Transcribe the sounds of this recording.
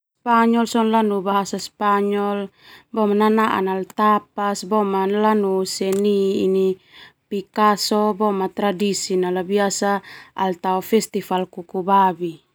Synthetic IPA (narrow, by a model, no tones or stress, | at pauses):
spaɲɔlsɔnlanubaɦasaspaɲɔl | bɔmananaʔa̰nalt̪ap̚asbɔmanlanusɛniːnipikasɔbɔmat̪ɾadisinalabiasaalt̪aɔfɛst̪ifalkukubabi